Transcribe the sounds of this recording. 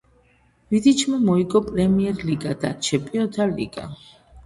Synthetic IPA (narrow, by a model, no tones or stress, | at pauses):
vid̪it͡ʃʰmɛmɔiɡʼɔpʼɾɛmiɛɾliɡad̪a̰t͡ʃʰɛmpʼiɔt̪ʰalḭɡa̰